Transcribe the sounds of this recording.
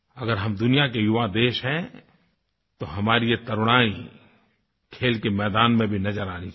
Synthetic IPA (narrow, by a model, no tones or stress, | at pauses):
ɐɡəɾɦɐmd̪ʊnijak̬ejʊʋad̪eːʃɦɛ̃ | t̪oɦɐmaːɾijet̪ɐɾʊɽ̃aːĩ | kʰeːlkemɛːd̪aːnmẽbʱinɐd͡ʒəɾaːni